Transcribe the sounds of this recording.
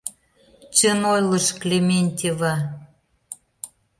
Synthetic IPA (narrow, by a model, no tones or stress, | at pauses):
t͡ɕənojlə̆ʃklʲemʲenʲt̪ʲevɑ